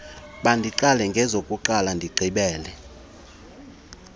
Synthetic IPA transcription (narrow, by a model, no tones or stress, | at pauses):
ɓandʱiǃalɛŋɡʱɛzokʼuǃalandʱiɡ͡ǃʱiɓɛːlɛ